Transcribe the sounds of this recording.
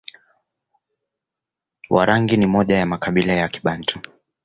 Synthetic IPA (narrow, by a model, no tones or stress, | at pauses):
wʔa̰ɾaŋɡinimɔʄajamakaɓilajaki̥ɓan̩tʰu̥